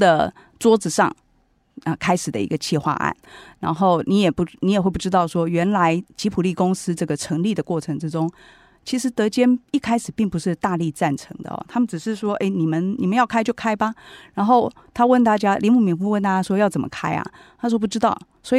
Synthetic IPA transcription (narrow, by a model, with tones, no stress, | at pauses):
d̪ə˨ | t͡swɔ˥t͡sɹ̩˨˩ʂɑ̰˥˩ŋ | ə˧˩kʰa˥ɪʂɻ̩˨˩d̪ə̰˦ḭ˧˥ɡə˧t͡ɕʰi˥˧xwa̰˥˧ʔa̰˥˩nɻa̰˧˥nxo˥˩ʊni˧˥jɛ˨˩pu˧˩ni˧˥jɛ˨˩we˥˧ɪpu˥˩ʈ͡ʂɻ̩˥t̪ɑ˥˩ʊʂwɔ˥ɥɛ˧˥nla˧˦ɪt͡ɕi˧˥pʰu˨˩li˥˩kʊ˥ŋsɹ̩˥ʈ͡ʂɤ˥˩ɡə˩ʈ͡ʂʰɤ˧˥ŋli˥˩d̪ə˩kwɔ˥˩ʈ͡ʂʰɤ˧˥ŋʈ͡ʂɻ̩˥ʈ͡ʂo˥ŋ | t͡ɕʰi˧˥ʂɻ̩˧˥t̪ɤ˧˥t͡ɕjɛ˥ni˥˩kʰa˥ɪʂɻ̩˨˩pi˥˩ŋpu˧˩ʂɻ̩˥˧t̪a˥˧li˥˧t͡sa˥˩nʈ͡ʂʰɤ̰˧˥˦ŋd̪ə̰˧ɔ̰˨˩t̪ʰa˥mə˨nʈ͡ʂɻ̩˨˩ʂɻ̩˥˩ʂwɔ˥ʔe˥˩ɪni˨˩mə˧˦nnḭ˨˩mə˦jɑ˥˩ʊkʰa˥ɪt͡ɕjo˥˩ʊkʰa˥ɪba˨ɻa˧˥nxo˥˩ʊ | t̪ʰa˥wə˥˩nt̪a˥˩t͡ɕja˥li˧˥mu˥˩mi˧˥fu˥˧wə˥˧nt̪a˥˩t͡ɕja˥ʂwɔ˥jɑ˥˩ʊt͡sə˨˩mə˦kʰa˥ɪa̰˨ | t̪ʰa˥ʂwɔ˥p̬u˧˥ʈ͡ʂɻ̩˥t̪ɑ˥˩ʊ | swɔ˧˥i˨